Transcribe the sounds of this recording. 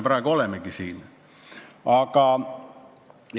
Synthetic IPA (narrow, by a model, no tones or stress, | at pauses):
prɑˑikolemekisiːn | ɑkɑˑ | j